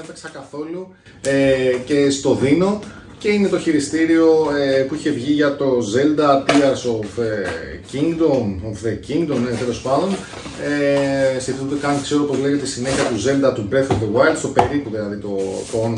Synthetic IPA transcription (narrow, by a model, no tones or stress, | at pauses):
efeksɐkɐθo̞lu | ece̞st̪o̞ðino̞ | ce̞ine̞t̪o̞çiɾist̪iɾio̞epuiçe̞vʝiʝɐt̪o̞ze̞ld̪ɐt̪iɐsofeciŋɡd̪omofðeciŋɡd̪omnet̪e̞lospɐnd̪o̞n | eseθund̪ekɐnkse̞ɾoopozleʝet̪esine̞çiɐt̪uze̞ld̪ɐt̪ubɾeθovðewajld̪st̪opeɾipuðilɐðit̪o̞t̪oon